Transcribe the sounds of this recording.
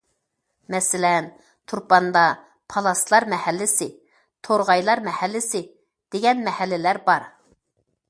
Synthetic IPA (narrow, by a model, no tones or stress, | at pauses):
mɛsɪlɛn | t̪ʰuɾpɑnd̪ɑ | pʰɑlˠɑslˠɑɾmɛhælːɪsɪ | t̪ʰoɾʁɑjlˠɑɾmɛhælːɪsɪ | d̪̥eɡʲɛnmɛhælːɪlæɾbɑɾ